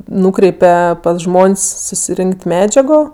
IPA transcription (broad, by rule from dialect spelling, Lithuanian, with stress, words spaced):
ˈnuːkrʲɛɪpʲɛ pɐs ˈʒmoːnʲsʲ sʊsʲɪˈrʲɪŋʲkʲtʲ ˈmʲæːd͡ʒʲɛɡoː